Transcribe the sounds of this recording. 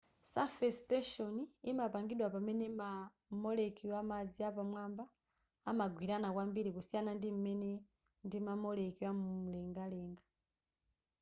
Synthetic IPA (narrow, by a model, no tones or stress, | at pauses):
safɛstɛʃɔniimapaŋɡiɗwapamɛnɛma | mɔlɛkiwamad͡ziapamwambaː | maɡwiɾanakwambiɾikusianandim̩mɛnɛ | ndimamɔlɛkiwamum̩lɛŋɡalɛːŋɡa